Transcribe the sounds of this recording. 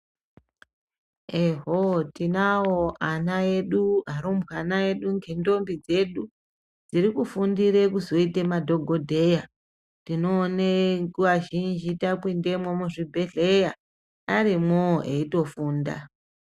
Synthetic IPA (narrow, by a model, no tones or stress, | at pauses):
eɦotinawoʔanae̞ɗuaɾombwanae̞ɗuŋɡendo̞mbid͡ze̞ɗu | d͡ziɾikufundiɾe̞kuzo̞itemadʱo̞ɡʱo̞dʱe̞ja | tino̞ːnekuʋaʒind͡ʒitakwinde̞mwomuʐibʱe̞ɮe̞ja | aɾimoeito̞fuːnda̰